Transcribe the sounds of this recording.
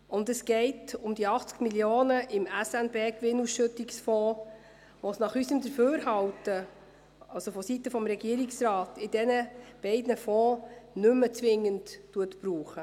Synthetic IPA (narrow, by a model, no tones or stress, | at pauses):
ʊndəsɡ̥ɛɪtʊmd̪iɑχt͡skmiljoːnəɪmæsænbeːkʋɪnusʃɵtɪksfɔː | ʋɔsnɑχysəmd̪əɾføːɾhɑwtə | ɑlsofɔsitːəfɔmɾɛɡiəɾɪksɾɑːtɪd̥ɛnəb̥ɛɪdnəfɔːnʏmːət͡sʋɪŋːəntːuətb̥ɾuːχə